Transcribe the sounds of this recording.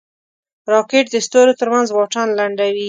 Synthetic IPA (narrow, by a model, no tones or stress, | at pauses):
ɾɑkeʈd̪əst̪oɾot̪əɾmanzwɑʈanlaɳɖawi